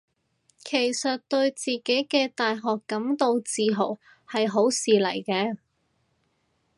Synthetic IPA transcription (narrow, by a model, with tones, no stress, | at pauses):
kʰe˨˩jsɐ˨t̚t̪ɵ˧ɥt͡siː˨ke˨˥jkɛː˧t̪aː˨jɦɔː˨kːɐ˨˥mt̪o˧wt͡siː˨˧ɦo˨˩w | hɐ˨jɦo˨˥wsiː˨lɐ̰˨˩jkɛː˧